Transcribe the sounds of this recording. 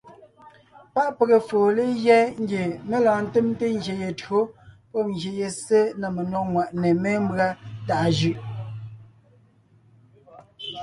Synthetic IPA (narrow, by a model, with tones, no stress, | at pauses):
pa˦ʔpe˨ɣe˨foː˨le˦ɣjɛ˦ŋ̩˦ɡje˨me˦lãː˨n̩˦te˦mte˦ŋ̩˦ɡje˨je˨to˦pɔ˦ŋ˨je˨je˨se˦nə˨me˨nwɔ˦˨k̚ŋwa˨ʔne˨me˦m̩˦bɰa˦ta˨ʔʒʉ˦ʔ